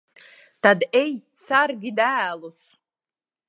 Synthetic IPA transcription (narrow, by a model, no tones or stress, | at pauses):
tadej | sarɡʲidaːlos